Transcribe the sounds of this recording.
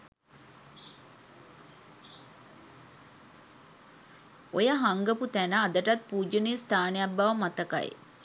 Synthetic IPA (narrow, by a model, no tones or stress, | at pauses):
ojəɦaŋɡəput̪ænəːd̪əʈat̪̚puːd͡ʒəneːst̪ʰaːnejabːaʋəmat̪əka̰j̰